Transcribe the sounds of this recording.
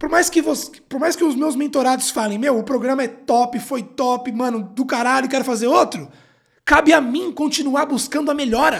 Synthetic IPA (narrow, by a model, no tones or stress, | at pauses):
poɾmajskɪvospoɾmajskɪʊzmewzmẽnt̪oɾad̪ʊsfalẽj̃mewʊpɾoɡɾɐ̃mɐɛt̪ɔpɪfojt̪ɔpɪmɐ̃nʊd̪ʊkaɾaʎʊɪkɛɾʊfazeɾot̪ɾʊ | kabɪamĩkõnt͡ʃinuaɾbuskɐ̃nd̪ʊɐmeʎɔɾɐ